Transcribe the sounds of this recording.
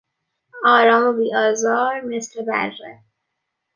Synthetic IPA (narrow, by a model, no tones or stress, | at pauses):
ɒːɾɒːmobiːɒːzɒːɾme̞sɾebæ̰ɾːḛ